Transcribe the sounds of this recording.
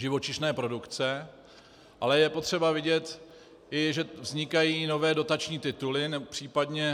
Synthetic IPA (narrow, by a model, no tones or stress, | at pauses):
ʒɪvo̞t͡ʃɪʃnɛːpɾo̞dukt͡sɛ | ʔalɛjɛpo̞t̪r̝̥ɛbavɪɟɛt̪ | ʔɪʒɛvzɲɪkajiːno̞vɛːdo̞t̪at͡ʃɲiːt̪ɪt̪ulɪnɛpr̥iːpadɲɛ